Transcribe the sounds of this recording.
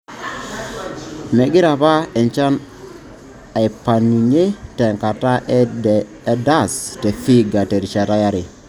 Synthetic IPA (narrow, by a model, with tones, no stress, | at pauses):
me˨ɡi˦ɾa˨βa˦ɛ˨nt͡ʃa˦n | a˨i˨pa˨ni˨ɲe˦tɛ˨ŋka˨ta˦ | e˦da˦˨ste˨fi˦ɡa˨te˨ɾi˨t͡ʃa˨ta˦ja˦ɾi˨